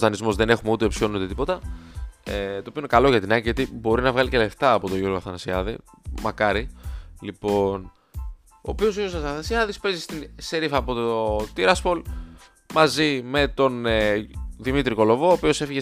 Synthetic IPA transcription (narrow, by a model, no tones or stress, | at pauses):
t̪ɐnizmo̞zðe̞ne̞xumeut̪epsio̞nuut̪et̪ipo̞t̪ɐ | et̪oːpioinekɐlo̞ʝɐt̪inɐɟiʝɐt̪ibo̞ɾinɐvɣɐlice̞le̞ft̪ɐːpo̞t̪o̞ʝuɾɣoɐθɐnɐsiɐðimɐkɐɾilipo̞n | o̞̰ːpio̞zʝuɣoɐsɐθɐnɐsiɐðispe̞zist̪inseɾifɐːpo̞t̪ot̪iɾɐspol | mɐzimet̪o̞n | ðimit̪ɾiko̞lo̞vo̞ːpio̞se̞fiʝe